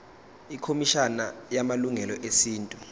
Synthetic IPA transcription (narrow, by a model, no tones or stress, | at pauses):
ikʰomiʃanajamaluŋɛlɔʔesiːntʼu